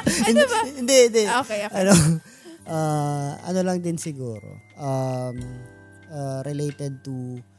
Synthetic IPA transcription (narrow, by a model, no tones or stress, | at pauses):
ɪnd̪ɛhɪnd̪ɛokeoʔɐno | ʔaɐ̰nolɐŋd̪ɪnsɪɡuːɾo̰ʔam | ʔaɾɪlejt̪ɛd̪̚t̪u